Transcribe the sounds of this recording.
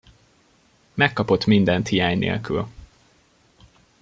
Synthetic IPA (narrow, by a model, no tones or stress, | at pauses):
mɛkːɒpo̞t̪mind̪ɛnt̪hijaːɲnḛːlky̰l